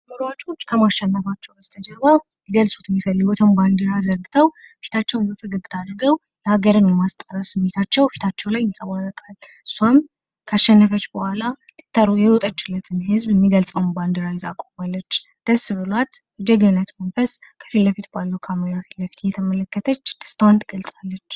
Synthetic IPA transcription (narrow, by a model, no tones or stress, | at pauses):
məɾwat͡ʃʼo̞t͡ʃːkʰəmaʃɛnːəfat͡ʃːɛwbəst̪ʰəd͡ʒəɾbaw | jɛɡəlsʼot̪ɪmːifəlːɨɡɔt̪ʰəmband̪ɨɾazəɾɡɨt̪ʰəwfi̥t̪ʰat͡ʃːɛwnbəfɨɡɨɡt̪ʰad̪ɾɨɡəw | jɛhaɡəɾɨnjɛmast̪ʼəɾəsɨmːet̪ʰat͡ʃːɛwfi̥t̪ʰat͡ʃːɛwlajɪsʼəwaɾəkʼal | ɨsːuam | kʰaʃːɛnːəfət͡ʃːbəhʷala | ɨ̥t̪ʰːəɾujɛlot̪ʼət͡ʃːɪlːət̪ʰɨnɦɨzbɛmːiɡəlsʼəwmband̪əɾajɪzakʼomalːət͡ʃː | d̪̥əsːɨβɨlwat̪jɛd͡ʒɛɡnɨnːət̪mənfəskʰə̥filːəfit̪balːəwkʰaməɾafilːəfi̥t̪jɛt̪ʰəmələkːət̪ʰət͡ʃːd̪̥ə̥st̪ʰawant̪ʰɨɡ̥əlsʼalːət͡ʃː